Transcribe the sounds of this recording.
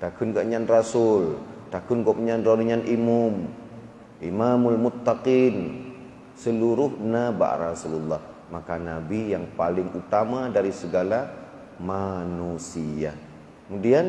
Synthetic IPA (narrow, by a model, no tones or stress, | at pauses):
t̪akʊnɡaʔɲanrasʊlt̪akʊnɡɔpɲanraniɲanʔimʊm | ʔimamalmʊt̪ːaqin | səluɾʊhnaba̰ʔrasululːɑh | makanabijaŋpalɪŋut̪amadaɾisəɡala | manusia | kəmudian